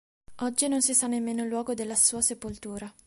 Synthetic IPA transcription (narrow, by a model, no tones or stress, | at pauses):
ɔd͡ʒːinons̬isanːemːeːnolwɔːɡod̪elːasuːasepolt̪uːɾa